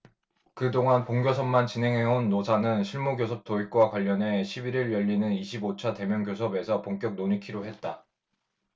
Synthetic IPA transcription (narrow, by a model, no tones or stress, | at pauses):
kɯdoŋanpoŋɡjosʰʌmmant͡ɕinɦe̞ŋɦe̞onːosʰanɯnɕʰiɭmoɡjosʰʌp̚t͈oik̚k͈wakwaʎːʌne̞ɕʰibiɾiɭjʌʎːinɯniɕʰibot͡ɕʰate̞mjʌŋɡjosʰʌbe̞sʰʌpoŋk͈jʌk̚noɲikʰiɾoɦe̞t̚t͈a